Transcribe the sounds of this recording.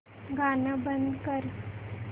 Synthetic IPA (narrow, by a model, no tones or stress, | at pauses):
ɡʱanəbənd̪kəɾ